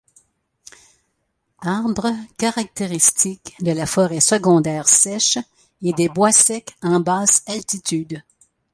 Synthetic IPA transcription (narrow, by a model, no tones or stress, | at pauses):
aʁbʁəkaʁak̚t̪eʁist̪ikd̪əlafɔʁɛsəɡɔ̃d̪ɛːʁsɛʃ | ed̪ebwasɛkɑ̃baːsalt̪it̪yd̪